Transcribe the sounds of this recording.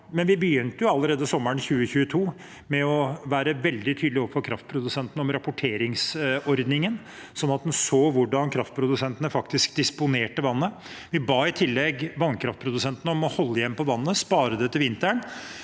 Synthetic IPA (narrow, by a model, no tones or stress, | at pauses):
mɛnʋɪbəjʏnt̪əjʊɑlːəɾeːd̪əsɔmːəɳçʉːəçʉːət̪ʰuː | mɛɔʋæːɾəʋɛld̪ɪt̪ʰyːd̪lɪɔpfɔɾkʰɾɑft̪̚pʰɾʊd̪ʉsɛnt̪ənəɔmɾɑpʊʈʰeːɾɪŋsɔɾd̪nɪŋən | sɔnːɑt̪̚d̪ʉnsoːʋʊɖɑnkʰɾɑft̪̚pʰɾʊd̪ʉsɛnt̪ənəfɑkt̪ɪskd̪ɪspʊneːʈəʋɑnːə | ʋɪbɑːɪt̪ʰɪlːɛɡʋɑnːkʰɾɑft̪̚pʰɾʊd̪ʉsɛnt̪ənəɔmɔhɔlːəjɛmːpʰɔʋɑnːəspɑːɾəd̪ɛt̪ʰɪʋɪnt̪əɳ